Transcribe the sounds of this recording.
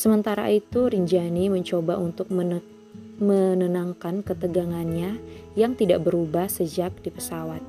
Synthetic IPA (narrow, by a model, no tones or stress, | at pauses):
səmənt̪aɾa̰it̪uɾiɲd͡ʒaniməɲt͡ʃobaʔunt̪ʊk̚ | mənənaŋkankət̪əɡaŋanɲajaŋt̪ida̰ʔbəɾubahsəd͡ʒak̚dipəsawat̪̚